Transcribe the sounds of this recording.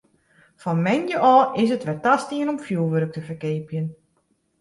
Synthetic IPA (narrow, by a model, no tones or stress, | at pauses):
fɔnmɛnjəʔɔːɪs̬ətʋɛtastiənɔmfjulˠʋøɾək̚təfərkeːpjən